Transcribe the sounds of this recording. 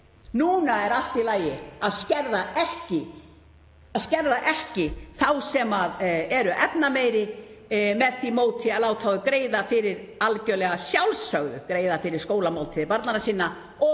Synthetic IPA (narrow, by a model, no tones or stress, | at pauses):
nuːnaɛɾal̥t̪ɪlaːjɪaðscɛɾðaɛhcɪ | aðscɛɾðaʔɛhcɪθawsɛmaðɛɾʏʔɛp̚nameːjɾɪ | mɛðθimoːwt̪ʰɪaðlaːwt̪ʰawðʏkɾeːjðafɪɾɪɾalcœlɛɣasjawlsːœɣðʏ̰kɾeːjðafɪɾɪɾskoːwlamaːw̪lt̪ʰɪðɪpaɾt̪nanasiːnːa | ɔ